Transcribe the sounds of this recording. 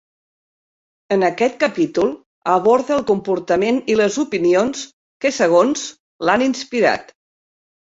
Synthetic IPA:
ənəkɛt̪̚kəpit̪ulˠ | əβ̞ɔɾðəːlˠkumpuɾt̪əmeniləzupinions | kəsəɣ̞onz | laninspiɾa̰t̪

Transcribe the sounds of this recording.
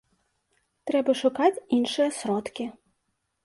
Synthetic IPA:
t̪ɾɛbɐʂukat͡sʲinʂɨjɐsɾɔt̪kʲi

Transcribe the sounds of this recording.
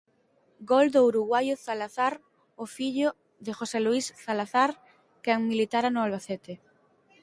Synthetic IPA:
ɡold̪ouɾuɣwajʊθalaθaɾ | ofiʎʊ | ðɪxoseluisθalaθaɾ | kɛŋmilit̪aɾanʊalβaθɛt̪ɪ

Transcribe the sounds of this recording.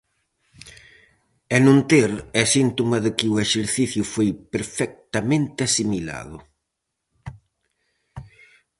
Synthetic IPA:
ɛnõnt̪eɾɛsint̪omɐðɪkɪʊeʃeɾθiθjʊfojpeɾfɛk̚t̪ɐmẽnt̪ɪɐsimila̰ðʊ

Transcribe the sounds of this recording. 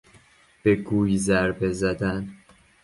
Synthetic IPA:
b̥e̞ɡuːjzæɾbe̞zæd̪æn

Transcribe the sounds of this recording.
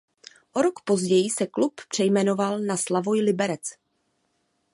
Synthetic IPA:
ʔo̞ɾo̞kpo̞zɟɛjɪsɛkluppr̝̥ɛjmɛno̞valnaslavo̞jlɪbɛɾɛt͡s

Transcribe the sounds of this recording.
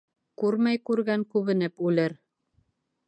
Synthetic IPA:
kʉɾmæjkʉɾɡæŋkʉβɘ̆nɘpʉlɘɾ

